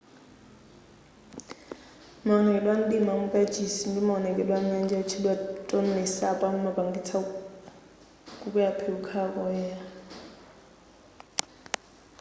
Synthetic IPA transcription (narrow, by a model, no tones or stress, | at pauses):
mɔnɛkʼɛlwan̩dimamukʼad͡ʒisin̩dimɔɔnɛkʼɛlwam̩ɲand͡ʒat͡ʃʰilwatʼon̩nɛsapʼaŋumabaŋɡit͡sʰa | kʼukʼujapʰeukʰakɔjɛa